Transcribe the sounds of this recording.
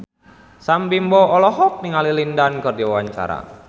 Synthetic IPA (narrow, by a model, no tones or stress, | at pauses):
sambimbɔɔlɔɦɔp̚niŋalilindankɨrdiwawaɲt͡ʃa̰ɾa̰